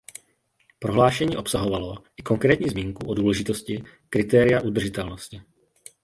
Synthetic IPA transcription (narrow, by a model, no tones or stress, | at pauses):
pɾo̞ɦlaːʃɛɲiːʔo̞psaɦo̞valo̞ʔɪko̞ŋkɾɛːt̪ɲiːzmiːŋkuʔoduːlɛʒɪt̪o̞scɪkɾɪt̪ɛːɾɪjaʔud̪r̩ʒɪt̪ɛlno̞scɪ